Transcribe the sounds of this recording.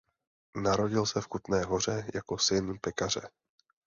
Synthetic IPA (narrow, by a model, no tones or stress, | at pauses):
naɾo̞ɟɪlsɛfkut̪nɛːɦo̞r̝ɛjako̞sɪnpɛkar̝ɛ